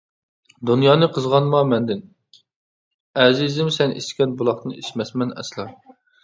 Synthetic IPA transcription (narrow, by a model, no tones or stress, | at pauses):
d̪unjɑːnɨqʰəzʁɑnmɑmɛnd̪ɪn | ɛzizɪmsɛnʔḭskʲɛnbulˠɑχt̪ɨniʃmɛsmɛnɛ̰slˠɑ